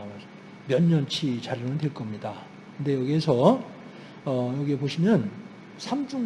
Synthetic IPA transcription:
mjʌɲːʌnt͡ɕʰit͡ɕaɾinɯntweɭk͈ʌmɲida | kɯnde̞jʌɡiesʰʌ | ʌjʌɡiepoɕʰimjʌn | sʰamd͡ʑuŋ

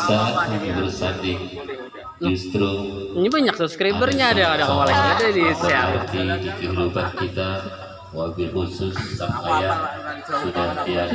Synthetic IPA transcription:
sabərsadɪŋ | d͡ʒust̪ɾuɲbaɲaksubskɾabbərɲaːdakadakawalakadadisəaart̪idikəɦdubat̪̚kit̪a | wabɪhusʊsːamajaŋsudaht̪ia

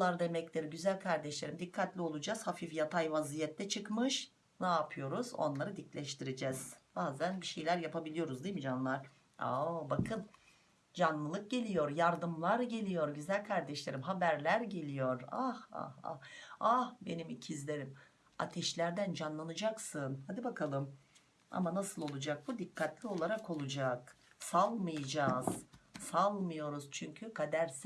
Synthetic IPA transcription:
lˠaɾd̪e̞mɛclʲiɾɟyzælʲkʰaɾd̪ɛʃlʲe̞ɾimd̪ikʰːat̪lʲio̞lˠud͡ʒaz̥hafifjat̪ʰajvazijɛt̪ːɛt͡ʃʰɯkmɯʃ | naːpʰɯjo̞ɾuzo̞̰nlˠaɾɯd̪iclʲɛʃt̪ʰiɾid͡ʒɛz̥b̥aːzænbiʃe̞jlʲæɾjapabilʲijo̞ɾuzd̪ijmid͡ʒanɯlˠaɾ̥ | obakʰɯn | d͡ʒanlˠɯlˠɯk̚ɟe̞lʲijo̞ɾjaɾd̪ɯmlˠaɾɟe̞lʲijo̞ɾɟyzælʲkʰaɾd̪ɛʃlʲe̞ɾimɦabæɾlʲæɾɟe̞lʲijo̞ɾaha̰ha̰hahbe̞nimicʰizlʲeɾim | a̰t̪ʰɛʃlʲæɾd̪ænd͡ʒanlˠanɯd͡ʒaksɯnhad̪ibakʰalˠɯm | a̰manasɯlˠo̞lˠud͡ʒak̚bud̪ikʰːat̪ʰlʲio̞lˠaɾako̞lˠud͡ʒaksalˠmɯjad͡ʒaːz̥salˠmɯjo̞ɾuz̥t͡ʃʰyɲcʰykʰad̪æɾs

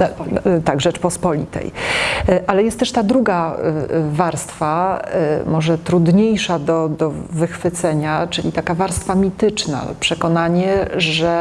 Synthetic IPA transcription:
t̪aɡʐɛt͡ʂpɔspɔlʲḭt̪ɛ̰j | ʔalɛjɛst̪ːɛʂt̪ad̪ɾuɡa | vaɾst̪fa | mɔʐɛt̪ɾud̪ɲejʂad̪ɔd̪ɔvɘxfɘt̪sɛɲat͡ʂɘlʲit̪akavaɾst̪famʲit̪ɘt͡ʂna̰pʂɛkɔnaɲɛʐɛ

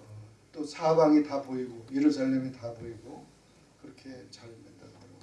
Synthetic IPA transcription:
ʌ | t͈osʰabaŋitaboiɡojeɾusʰaɭːemitaboiɡo | kɯɾʌkʰet͡ɕaɭnandaddɯɡo

